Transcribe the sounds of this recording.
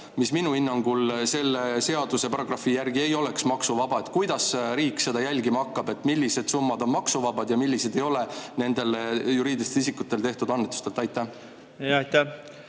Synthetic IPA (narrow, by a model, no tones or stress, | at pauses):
misminuinːɑŋɡ̥ulse̞lːese̞ɑd̪̥use̞pɑrɑɡ̥rɑfijærɡie̞jo̞le̞ksmɑksuvɑbɑe̞t̪ˑkujd̪̥ɑsɾiːkːˑse̞d̪ɑjælʲɡimɑkːɑbe̞t̪ːˑmilʲːise̞d̪̥sumːɑd̪o̞nmɑksuvɑbɑd̪̥jɑmilʲːise̞d̪e̞jo̞le̞ne̞nd̪e̞ljuɾiːd̪ist̪eisikːut̪ːˑe̞lt̪e̞ht̪ud̪̥ɑnːet̪ːˑu̥st̪e̞lt̪ɑjt̪ːˑæh | jɑjt̪æ